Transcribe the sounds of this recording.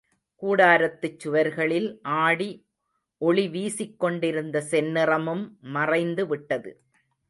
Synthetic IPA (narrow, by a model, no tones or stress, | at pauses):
kuːɽaːɾɐt̪ːɯt͡ʃːʊʋɐɾɣɐɭɪlʔaːɽi | ʔɔɭiʋiːsɪkːɔɳɖɪɾɯnd̪ɐsɛnːɪrɐmɯmːɐrɐɪnd̪ɯʋɪʈːɐðɯ̰